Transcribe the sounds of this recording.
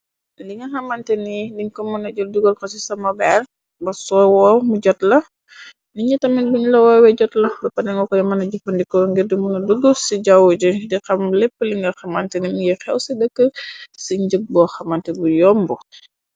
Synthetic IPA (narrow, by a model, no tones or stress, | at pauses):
liŋɡɐxɐmantɛnidiɲkɔmunɐɟɔlduɡolkɔs̬isɐmɐbɛr | bɐsɔwɔmuɟɔtlɐ | niɲitɐmibuɲlɔwɔwɛɟɔtlɐbɐpɐnɛŋɔkɔdɛmɐnɐɟupɐndikɔŋɡidimunɐduɡəlsiɟɐwud͡ʒudixɐmlɛpːəliŋɡɐxɐmantɛnimuixɛwsidəkːəsiɲɟək̚bɔxɐmantɛbujɔmbɔ